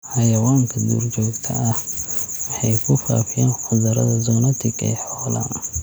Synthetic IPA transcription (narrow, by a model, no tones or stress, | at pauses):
ħɑjɐwaːŋkʰɐd̪ṵːrd͡ʒɔːɡt̪ʰɐ̰ʔɐhwɑħɑjkʰʊfa̰ːfɪjaːnħʊdɐɾɐ̰ðɐzɔːnɐt̪ʰɪɡɛ̰ːħɔːlɐ̰